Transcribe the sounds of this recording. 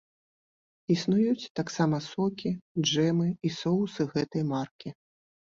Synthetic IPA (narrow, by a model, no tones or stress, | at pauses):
isnujut͡sʲt̪aksamɐsɔkʲidʐɛmɨisɔwsɨɣɛt̪ɐjmarkʲi